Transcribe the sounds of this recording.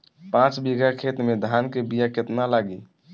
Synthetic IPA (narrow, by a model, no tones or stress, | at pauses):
pãt͡ʃbiɡakʰet̪med̪ʱaːnkebijaket̪nalaːɡi